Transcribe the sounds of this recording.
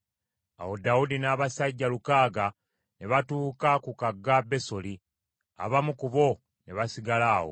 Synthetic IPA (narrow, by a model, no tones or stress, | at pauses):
a̰wo̞daudinaːβasaɟːalukaːɡa | neβatuːkakukaɡːabe̞so̞li | a̰βamukuβo̞ | neβasiɡalaːwo̰